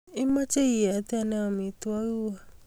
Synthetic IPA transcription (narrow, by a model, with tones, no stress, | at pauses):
i˦mã˦t͡ʃe˦i˨ɛ˨˦ti˦ɛ˧˦nɛ̃˧˦o˧˨mĩ˨˧˦tu˦ɔ˦ɾu˦wa˦